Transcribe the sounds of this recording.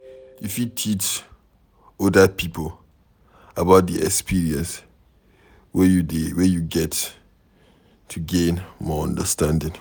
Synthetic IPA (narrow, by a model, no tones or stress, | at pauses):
ifjutʰit͡ʃ | ɔdəpʰipəl | əbaʊt̚diɛkspʰiɹiə̃ns | wɛwɛjuɡɛt | tʰːuɡẽnmɔə̃ndəstãndɪ̃ŋ